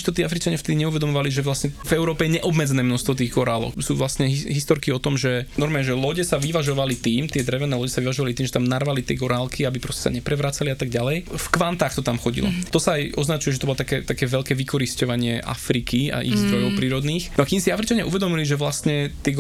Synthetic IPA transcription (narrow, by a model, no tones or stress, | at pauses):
t̪ɔt̪iːafɾit͡ʃaɲɪaft̪ɛd̪iɲɛuʋɛd̪ɔmɔʋaliʒɛʋlasɲɛvɛʊɾɔːpɛjɛɲɛʔɔbmɛd͡zɛnɛːmnɔst̪ʋɔt̪̬iːɣɡɔɾalɔ̰ksuːʋlast̪ɲɛɦiɦist̪ɔɾkiɔt̪ɔmʒɛnɔɾmɛɛʒɛlɔɟɛsaʋiʋaʒɔʋalit̪iːmt̪ɪɛd̪ɾɛʋɛnɛːlɔɟɛsaʋiʋaʒɔʋalit̪iːmʒɛt̪amnarʋalit̪ɪɛɡɔɾaːlkiabipɾɔscɛ̥sa̰ɲɛpɾɛʋɾat͡saliat̪aɡ̚ɟalɛjfkʋant̪aːxt̪ɔt̪amxɔɟḭlɔ̰t̪ɔsaːjʔɔznat͡ʃujɛʒɛt̪ɔbɔlɔt̪akɛt̪akɛːʋɛʎkɛːʋikɔɾiscɔʋaɲɪɛʔa̰fɾikia̰ʔḭɣzd̪ɾɔjɔʊpɾiːɾɔd̪niːxnɔakimsiafɾit͡ʃaɲɪa̰uʋɛd̪ɔmiliʒɛʋlast̪ɲɛt̪ɪɛɡ